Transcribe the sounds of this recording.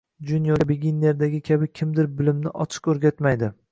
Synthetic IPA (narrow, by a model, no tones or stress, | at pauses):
d͡ʒʊnjɒbeɡʲinːe̞ɾd̪aɡʲɪkʲʰabɪkʲʰɪmd̪ɪɾbɪlɪmnɪʔɒt͡ʃʰɪ̥qɵɾɡʲat̪majd̪ɪ